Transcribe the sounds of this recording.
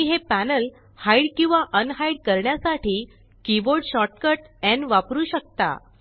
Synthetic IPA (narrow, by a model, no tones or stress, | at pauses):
iɦepænəl | hajɽkĩw̃ʋaʔənɦajɽkəɾɳjasaʈiː | kiʋoɾɽɕɔʈ̚kəʈɛ̃nʋapɾuːɕək̚t̪a̰